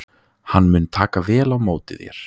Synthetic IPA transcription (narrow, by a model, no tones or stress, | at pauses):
hanːmʏnt̪ʰaːkavɛːlawmoːwt̪ɪðjɛ̰ɾ̥